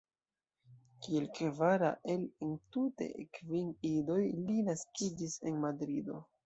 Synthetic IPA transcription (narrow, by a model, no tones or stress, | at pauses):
kielkvaɾa̰ʔe̞lentute̞̰kvinido̞jlinaskid͡ʒise̞nmadɾido̞